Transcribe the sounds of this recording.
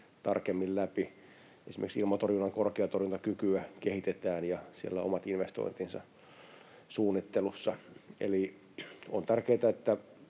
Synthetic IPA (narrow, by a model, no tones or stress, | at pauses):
t̪ɑrkemːillæpi | esimḛksilmɑt̪orjunːɑŋkorkeɑt̪orjunt̪ɑkykyækehit̪et̪æːnjɑsiḛlːæo̰mɑt̪inʋest̪o̰int̪insɑ̰ | suːnːit̪ːelusːɑʔḛli | ont̪ærkeːt̪æet̪ːæ